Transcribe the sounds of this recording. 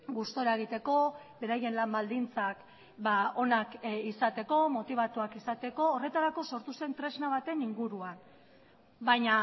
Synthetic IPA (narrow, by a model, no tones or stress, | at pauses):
ɡust̪o̞ɾaeɣ̞it̪e̞ko̞be̞ɾaje̞nlambald̪int͡sak | bao̞nakisat̪e̞ko̞mo̞t̪iβ̞at̪uakisat̪e̞ko̞ːre̞t̪aɾako̞so̞ɾt̪use̞nt̪ɾe̞znaβ̞at̪e̞niŋɡuɾuan | bajɲa